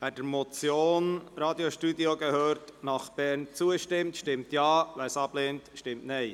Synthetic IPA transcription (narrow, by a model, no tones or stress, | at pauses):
ʋæd̥əɾmɔt͡sjoːnɾɑːdioʃtudioɡəhøːɾtnɑχb̥ɛɾnt͡suəʃtɪmtʃtɪmtjɑːʋæsɑb̥leːntʃtɪmtnɛɪ